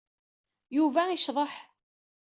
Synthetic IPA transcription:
juvæiʃðˤəħ

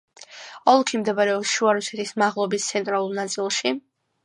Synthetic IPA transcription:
ɔlˠkʰimd̪ɛbaɾɛɔsʃuaɾusɛ̥t̪ʰismaʁlˠɔbist̪sʰɛnt̪ʼɾalˠulˠnat̪sʼilˠʃi

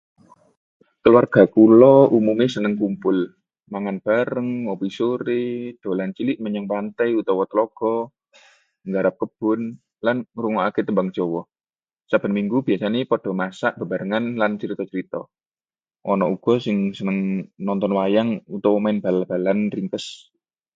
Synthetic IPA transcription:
kəluwarɡ̥a̤kulɔumumesənəŋkumpʊl | maŋanb̥aɾəŋɔpisoɾed̪̥o̤lant͡ʃilɪʔməɲəŋpant̪ajut̪ɔwɔt̪əlɔɡ̥ɔ | ŋɡaɾap̚kəb̥ʊn | lanɾuŋɔʔaket̪əmbaŋd͡ʒ̥ɔwɔ | sab̥ənmiŋɡubiasanepɔd̥ɔ̤masaʔb̥ə̤baɾəŋanlant͡ʃəɾit̪ɔt͡ʃəɾit̪ɔ̰ | ʔɔnɔʔuɡ̥ɔ̤sɪŋsənəŋnɔnt̪ɔnwajaŋut̪ɔwɔmaɪnb̥alab̥alanriŋkəs

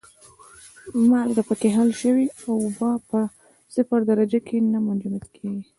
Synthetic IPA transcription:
malɡapəkeɦalʃəwiawʊbɑpə | sɪfaɾd̪aɾad͡ʒakʰenamʊnd͡ʒumat̪kʰeɡi

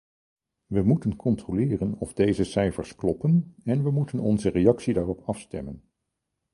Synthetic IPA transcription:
ʋəmutənkɔntrolɪːrənɔvdejzəsɛjfə̰ɹsklɔpənɛnʋəmutənɔnzərejɑksidaːrɔpɑfstɛmən

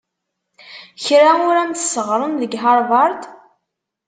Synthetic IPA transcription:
çɾaʊɾænt̪səʁɾˤʊnðəɡɦɑɾˤvɑɾˤt̪

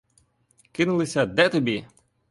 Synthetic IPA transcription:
kɪnʊlˠɪsʲɐd̪ɛt̪ɔbʲi

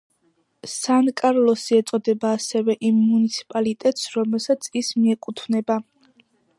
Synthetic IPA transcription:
sankʼaɾlˠɔsiɛt̪sʼɔd̪ɛbaːsɛvɛʔimːunit̪sʰi̥pʼalit̪ʼɛt̪ʼsɾɔmɛlˠsat̪sʰismiɛkʼut̪ʰvnɛba

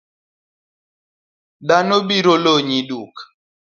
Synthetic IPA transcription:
danobiɾoloɲiduk

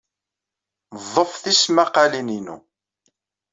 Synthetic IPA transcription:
ðˤəfθismaqalininṵ

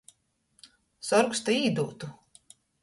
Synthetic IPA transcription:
sɔɾkst̪aiːd̪uːt̪u

